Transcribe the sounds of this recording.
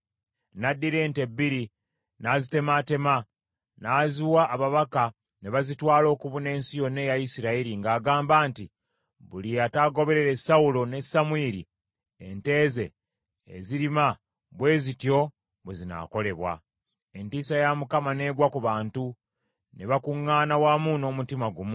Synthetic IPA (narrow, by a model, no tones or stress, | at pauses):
nadːiɾe̞ːnte̞biɾi | nazite̞mate̞ma | naːziwaʔːβaβaka | ne̞βazitwaːlo̞ːkuβune̞ːnsijo̞ne̞jajisiɾaiɾiŋɡaːɡaːmbaːnti | βuliataɡo̞βe̞ɾe̞ɾe̞saulo̞ne̞samueɾḭ | ḛnte̞ːze̞ | ḛziɾima | βwe̞ːzitjo̞ | βwezina̰ːko̞le̞βwa̰ | e̞ntiːsajamukamane̞ːɡwakuβaːntu | neβakuŋːaːnawaːmuno̞ːmutimaɡumu